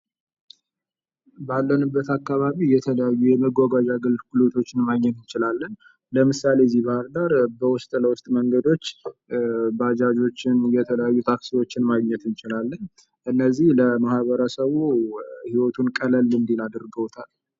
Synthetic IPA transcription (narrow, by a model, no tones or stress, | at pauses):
balːənɨbːət̪akːaβaβijɛt̪ʰələjajːujɛməɡʷaɡad͡ʒaɡɨlfkulot̪ʰo̞t͡ʃːɪnmaɡɲːɛt̪ɨnt͡ʃɪlalːən | ləmɨsale̞zibahɾd̪aɾbəwʊst̪ʼləwʊst̪ʼməŋɡəd̪o̞t͡ʃː | bad͡ʒad͡ʒo̞t͡ʃːɪnjɛt̪ʰələjajːut̪ʰaksiwo̞t͡ʃːɪnmaɡɲɛt̪ɨnt͡ʃɪlalːən | ʔɨnːəzːihləmahβəɾəsəβuhiwɔt̪ʰunkʼələlɨnd̪elad̪ɨɾɡəwt̪ʰal